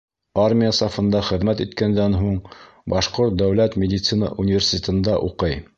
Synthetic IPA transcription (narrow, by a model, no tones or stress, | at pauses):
armʲijasɑfɤ̆nd̪ɑχɘ̆ðmæt̪it̪kænd̪ænɦuɴ | bɑʃqoɾt̪̚d̪æwlæt̪mʲɪd̪ʲɪt̪sɨnə̰ʔunʲɪvʲersʲɪ̥t̪ʲet̪ɤ̆nd̪ɑʔuqɤj